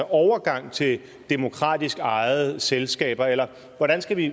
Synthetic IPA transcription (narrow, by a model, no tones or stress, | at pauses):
ɒʊɐɡ̥ɑ̈ŋ̰t͡sʰe̝l | d̥emo̝kʰʁɑ̰̈ːd̥isɡ̥ɑ̈ɪð̩ˠselsɡ̥ɛ̰ːb̥ɐelɐ | ʋɒɾænsɡ̥æʋi